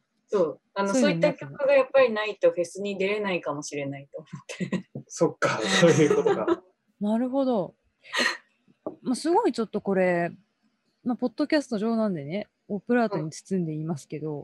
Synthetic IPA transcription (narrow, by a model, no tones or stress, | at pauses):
so̞ː | anosoːiːakʲokːaɡajapːaɾʲinait̪o̞ɸe̞sɨɲ̟id̪e̞ɾe̞naikamo̞ɕiɾe̞nait̪o̞ːmot̪ʰːe̞so̞kːasoːjɯ̟ːkot̪oɡa | naɾɯ̟ɦo̞d̪o̞ | masɨɡo̞it͡ɕo̞t̪ːo̞ko̞ɾe̞ | mapo̞d̪̥ːo̞kʲasɨ̥t̪o̞ʑo̞ːnãnd̪e̞ne̞ | opɯ̟ɾaːt̪o̞ɲ̟it͡sɨ̥t͡sɨ̃nd̪e̞imasɨ̥ke̞d̪o̞